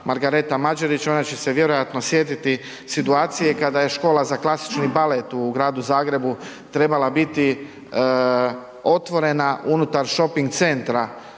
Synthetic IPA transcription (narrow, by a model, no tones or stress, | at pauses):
maɾɡaɾe̞t̪amad͡ʒaɾit͡ʃo̞nat͡ɕe̞seʋje̞ɾo̞jat̪no̞sje̞t̪it̪i | sit̪uaːt̪sijekad̪aje̞ʃko̞ːlˠazaklˠasi̥t͡ʃnibalet̪uɡɾaːd̪uzaːɡɾe̞bu | t̪ɾe̞balabit̪i | o̞t̪ʋo̞ɾe̞naʔunut̪aɾʃo̞piŋɡt̪se̞nt̪ɾa